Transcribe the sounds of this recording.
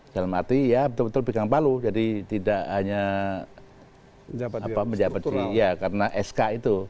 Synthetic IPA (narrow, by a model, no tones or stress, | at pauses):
d͡ʒalamat̪ijabət̪ʊlbət̪ʊlpikaŋpalud͡ʒadit̪idaʔɦaɲa | apaməɲd͡ʒabat̪̚ijakaɾənaʔɛskait̪u